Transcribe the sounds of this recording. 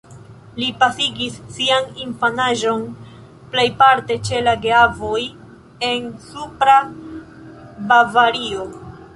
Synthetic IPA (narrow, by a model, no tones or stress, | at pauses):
lipasiɡisːianinfanaʒo̞n | ple̞jpaɾte̞t͡ʃe̞laɡeavo̞j | e̞nsupɾa | bavaɾio̞